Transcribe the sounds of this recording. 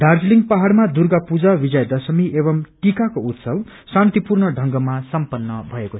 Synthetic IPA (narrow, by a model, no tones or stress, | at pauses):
d̪ʱard͡zliŋɡpaɦaɽmad̪urɡapud͡zabid͡zʌjd̪ʌsʌmiʔebʌmʈikakout̪sʌb | sãnt̪ipurɳʌɖʱʌŋɡʌmasʌmpʌnːʌbʱʌeko